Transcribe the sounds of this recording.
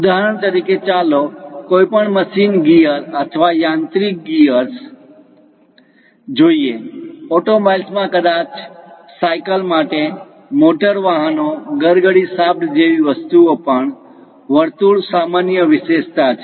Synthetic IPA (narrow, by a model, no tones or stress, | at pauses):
ud̪aɦɾəɳt̪əɾiket͡ʃalokoipəɳməʃinɡijəɾət̪ʰʋajãnt̪ɾik̚ɡiəɾs | d͡ʒoieɔʈomajlsmãkəd̪at͡ʃ | sajkəlmaʈe | moʈəɾʋaɦənoɡəɾɡəɽisab̚nd͡ʒeʋiʋəst̪uopəɳ | ʋəɾt̪uɭsamanjəʋɪʃeʃt̪at͡ʃʰe̥